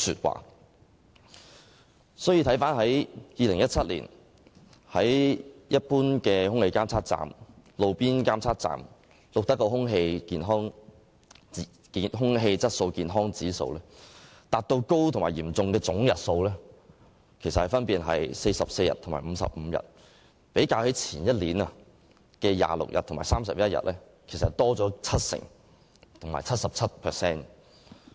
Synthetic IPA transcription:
sy̰ː˧˨t̚wa̰ː˨ | sɔː˨˥jiː˧t̪ʰjfaː˥nɦɐ˨˥jjiː˨˧lɪ˨˩ŋjɐ˥t̚t͡sʰɐ˥t̚lḭː˨˩n | hɐ˨˥jjɐ˥t̚puː˥nkɛː˧hʊ˥ŋhe˧jkaː˥mt͡sʰaː˥t̚t͡sa̰ː˨mlo˨˧wpiː˥nkaː˥mt͡sʰaː˥t̚t͡sa̰ː˨m | lʊ˨k̚t̪ɐ˦˥k̚ːo˧wɦʊ˥ŋɦe˧jkiː˨˧nɦɔː˥ŋ | kiː˨ɦʊ˥ŋɦe˧jt͡sɐ˥t̚so˧wkiː˨˧nɦɔː˥ŋt͡siː˨˥so̰˧wlɛː˥ | t̪aː˨t̚t̪o˧wko˥wt̪ʰŋmaː˨˩jiː˨˩mt͡sʊ˨˧ŋkɛː˧t͡sʊ˨˥ŋjɐ˨t̚so˧wlɛː˥ | kʰe˨˩jsɐ˨t̚hɐ˨˩jfɐ˥npiː˨˧nɦɐ̰˨jse˧jsɐ˨p̚se˧jɐ̰˨˩t̪ʰʊ˨˩ŋmaː˨˩m̩˨˧˦sɐ̰˨p̚m̩˨˧jɐ̰˨˩t̚ | pe˨˥jkaː˧whe˨˥t͡sʰiː˨˩njɐ˥t̚liː˨˥nɐ˨˧ | kɛː˧ja̰ː˨lʊ̰˨k̚jɐ˨t̪ʰʊ˨˩ŋmaː˨˩saː˥msɐ˨p̚jɐ˥t̚jɐ̰˨t̚lɛː˥ | kʰe˨˩sɐ˨tt̪ɔː˥t͡sɔː˨˥t͡sʰɐ˥t̚sɪ̰˨˩ŋ | t̪ʰʊ˨ŋmaː˨˩t͡sʰɐ˥t̚sɐ˨p̚t͡sʰɐ˥t̚pʰɛː˨sɛː˥n

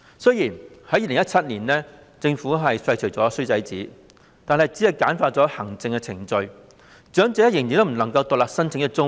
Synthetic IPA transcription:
sɵ˥jiː˨˩nhɐ˨˥jiː˨˧lɪ˨˩ŋɐ˥t̚t͡sʰɐ˥t̚niː˨˩nlɛː˥ | t͡sɪ˧ŋfuː˨˥ɦɐ˨jsɐ˧jt͡ʃʰɵ˨˩jt͡sɔː˨˥sɥt͡sɐ˨˥jt͡siː˨˥ | t̪aː˨nɦɐ˨˧jt͡siː˨˥ɐ˨jkaː˨˥nfaː˧t̚t͡sɔː˨˥hɐ˨˩ŋt͡sɪ˧ŋkɛ˧t͡sʰɪ˨˩ŋt͡ʃɵ˧ɥ | t͡ʃœː˨˥ŋt͡sɛː˨˥jɪ˨˩ŋji˨t̪o˥˩m̩˨˩nɐ˨˩ŋkɐ˧wt̪ʊː˨k̚laː˨k̚sɐ˥nt͡sʰɪ˨˥ŋjɐ˥t̚t͡sʊ˥ŋ

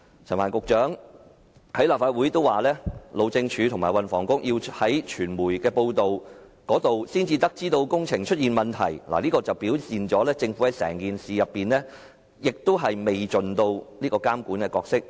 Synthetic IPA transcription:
t͡sʰɐ˨˩nwaː˨˩nkʊ˨k̚t͡ʃœː˨˥ŋ | hɐ˨˥jlaː˨p̚faː˧t̚wuː˨˥jt̪o˥waː˨lɛː˥lo˨˧wt͡sɪ˧ŋt͡ʃʰyː˨˧t̪ʰʊ˨˩maː˨˩jwɐ˨˧nfɔː˨˩ŋkʊ˥ŋjiː˧whɐ˨˥jt͡ʃʰyː˨˩nmuː˨˩jkɛː˧po˧wt̪o˨wkɔː˨˥t̪o˨wsiː˥nt͡siː˧t̪ɐ˥k̚t͡siː˥t̪o˧wkʊ˥ŋt͡sʰɪ˨˩ŋt͡ʃʰɵ˥t̚jiː˨nmɐ˨˩nt̪ʰɐ̰˨˩jla̰˨liː˥kɔː˧t͡sɐ˨wpiː˨˥wt͡siː˨nt͡sɔː˨˥lɛː˥t͡sɪ˧ŋfu˨˥hɐ˨˥jsɛ̰ː˨˩ŋkiː˨nsiː˨jɐ˨pːiː˨nlɛː˥ | jɪ˨k̚t̪o˥wɦɐ˨jme˨jt͡ʃɵ˨nt̪o˧wliː˥kɔː˧kaː˥mkuː˨˥nkɛ˧kɔː˧k̚sɪ˥k̚

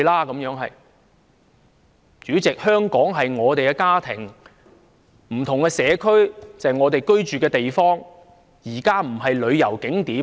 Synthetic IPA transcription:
laː˥kɐ˨˥mjœː˨˥ŋɦɐ˨j | t͡ʃyː˨˥t͡sɪ˨k̚hœː˥ŋkɔː˨˥ŋɦɐ˨jŋɔː˨˧t̪e˨jkɛː˧kaː˥t̪ʰɪ̰˨˩ŋ | m̩˨˩t̪ʰʊ˨˩ŋkɛː˧sɛː˨˧kʰɵ˥ɥt͡sɐ˨jŋɔː˨˧t̪e˨jkɵ˥ɥt͡ʃyː˨kɛː˧t̪e˨jfɔː˥ŋ | jiː˨˩kaː˥m̩˨˩ɦɐ˨jlɵ˨˧ɥjɐ˨˩wkɪ˨˥ŋt̪iː˨˥

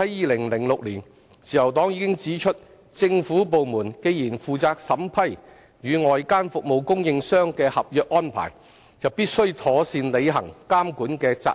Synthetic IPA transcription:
ɐ˨˥jiː˨˧lɪ˨˩ŋlɪ˨˩ŋlʊ˨k̚liː˨˩n | siː˨˩jɐ˨˩wt̪ɔː˨˥ŋjiː˨˧kɪ˥ŋt͡siː˨˥t͡ʃʰɵ˥t̚ | t͡sɪ˧ŋfuː˨˥p̬o˨wmuː˨˩nke˧jjiː˨˩nfuː˨t͡saː˧k̚sɐ˨˥mpʰɐ˥j | jyː˨˧ŋɔː˨jkaː˥nfʊ˨k̚mo˨wkʊ˥ŋjɪ˧ŋsœː˥ŋkɛː˧hɐ˨p̚jœː˨k̚ʔɔː˥npʰa̰ː˨˩j | t͡sɐ˨wpiː˥t̚sɵ˥ɥt̪ʰɔː˨˥siː˧nle˨˧jɦɐ̰˨˩ŋkaː˥mkuː˨˥nkɛː˧t͡sa̰ː˧

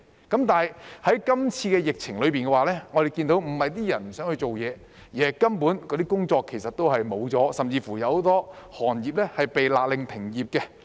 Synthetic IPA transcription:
kɐ˨˥mt̪aː˨jhɐ˨˥jkɐ˥mt͡sʰiː˧kɛː˧jɪ˨k̚t͡sʰɪ˨˩ŋlɵ˨˧ɥpiː˨nkɛ˧waː˨˧lɛː˥ŋɔː˨˧ɾe˨˩jkiː˧nt̪o˨˥wm̩˨˩hɐ˨jt̪̬iː˥jɐ˨˩nm̩˨˩sœː˨˥ŋhɵ˧ɥt͡so˨wjɛː˨˧ | jiː˨˩hɐ˨˩jkɐ˥mpuː˨˥nkɔː˨˧t̪iː˥kʊ˥ŋt͡sɔː˧kʰːe˨˩jsɐ˨t̪ːo˥whɐ˨jmo˨˧wt͡sɔː˨˥sɐ˨mt͡siː˧fuː˨˩jɐ˧who˨˧˥t̪ɔː˥hɔː˨˩njiː˨p̚lɛ˥hɐ˨˩jpe˨jlaː˨k̚lɪ˨˧ŋt̪ʰɪ˨˩ŋjiː˨p̚kɛ˧

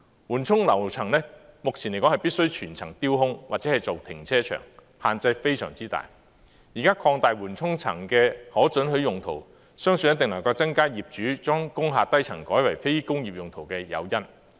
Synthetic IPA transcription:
wuː˨˩nt͡sʰʊ˥ŋlɐ˨˩wt͡sʰɐ˨˩ŋlɛː˥mʊ˨k̚t͡sʰi˨˩ne˨˩kɔ˨˥hɐ˨˩jpi˥t̚sɵ˥ɥt͡ʃʰyː˨˩nt͡sʰɐ˨˩ŋt̪iː˥wɦʊ˥ŋwaː˨˩t̚t͡sɛː˨˥hɐ˨jt͡so˨wt̪ʰɪ̰˨˩ŋt͡sʰɛː˥t͡ʃʰœ̰ː˨˩ŋ | haː˨nt͡sɐ˧jfe˥jsœ̰ː˨˩ŋt͡siː˥t̪a̰ː˨˩j | jiː˨˩kaː˥kʰɔː˧ŋt̪aː˨jwuː˨˩nt͡sʰʊ˥ŋt͡sʰɐ̰˨˩ŋkɛː˧hɔː˨˥t͡sɵ˨˥nɦɵ˨˥ɥjʊ˨ŋt̪ʰo˨˩w | sœː˥ŋsɵ˧njɐ˥t̪ɪ˨ŋlɐ˨˩ŋkɐ˧wt͡sɐ˥ŋkaː˥jiː˨p̚t͡ʃyː˨˥t͡ʃɔː˥ŋkʊ˥ŋɦaː˨˧t̚t̪ɐ˥jt͡sʰɐ̰˨˩ŋkɔː˨˥jwɐ˨˩jfe˥jkʊ˥ŋjiː˨p̚jʊ˨ŋt̪ʰo˨˩wkɛː˧jɐ̰˨˧wjɐ˥n

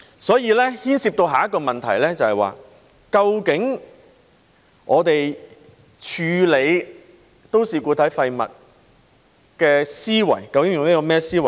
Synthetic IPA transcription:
sɔː˨˥jiː˧lɛː˥hiː˥nsiː˧p̚t̪o˧wɦaː˨jɐ˥t̚kːɔː˧mɐ˨nt̪ʰɐ˨˩jlɛː˥t͡sɐ˨hɐ˨jwa̰ː˨ | kɐ˧wkɪ˨˥ŋ | ʔɔː˨˧t̪e˨j | t͡ʃʰyː˨˧le˨˧j | t̪o˥wsiː˨kuː˧t̪ʰɐ˨˥jfɐ˧jmɐ̰˨t̚ | kɛː˧siː˥wɐ̰˨˩jkɐ˧wkɪ˨˥ŋjʊ˨ŋniː˥kɔː˧mɛː˥siː˥wɐ˨˩

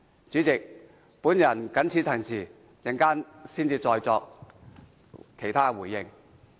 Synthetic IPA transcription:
t͡syː˨˥t͡sɪ˨k̚ | puː˨˥njɐ˨˩nkɐ˨˥nt͡sʰi˨˧˥t̪ʰɐ˨˩ŋt͡sʰiː˨˩ | t͡sɪ˨˩ŋkaː˥nsiː˥nt͡siː˧t͡sɔː˧jt͡sɔː˧k̚ | kʰe˨˩jt̪ʰaː˥˧wuː˨˩jːɪ˧ŋ

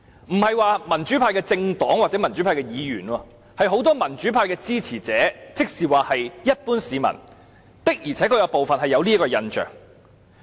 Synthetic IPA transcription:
m̩˨˩hɐ˨jwaː˨˧mɐ˨˩nt͡ʃyː˨˥pʰaː˧jkɛː˧t͡sɪ˧ŋt̪ɔː˨˥ŋwaː˨t̚t͡sɛː˨˥mɐ˨˩nt͡ʃy˨˥pʰaː˧kɛː˧jiː˨˧jy̰ː˨˩nɔː˧ | hɐ˨jɦo˨˥wt̪ɔː˥mɐ˨˩nt͡ʃy˨˥pʰaː˧jkɛː˧t͡siː˥t͡sʰiː˨˩t͡sɛː˨˥t͡sɪ˥k̚siː˨waː˨˩hɐ˨jjɐ˥t̚puː˥nsiː˨˧mɐ̰˨˩n | t̪ɪ˥k̚jiː˨˩ɛː˨˥kʰɵ˨˧jɐ˨˧wpo˨wfɐ˨nhɐ˨jɐ˨˧wliː˥kɔː˧jɐ˧nt͡ʃœ̰ː˨˩ŋ

